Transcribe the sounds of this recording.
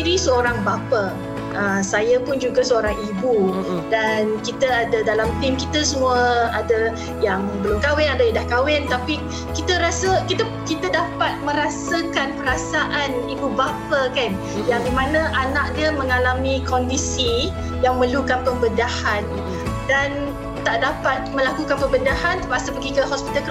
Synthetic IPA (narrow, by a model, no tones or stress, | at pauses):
iɾisəoɾaŋbapə | əsajapʊnd͡ʒuɡasəoɾaŋibudankit̪əadadalamt̪ɪmkit̪əsəmũaəadə | jaŋbəlʊmkawɪnadaidahkawɪnt̪api | kit̪əɾasəkit̪ə | kit̪adapat̪̚mə̃ɾasəkanpəɾasaʔanibubapəkan | jaŋdimanãʔanaʔ̚diəmə̃ŋalamĩkɔndisi | jaŋmə̃lukanpəbəndahan | dan | t̪aʔdapat̪̚mə̃lakukanpəbəndahant̪ə̥pasəpəɡikəhɔspit̪alk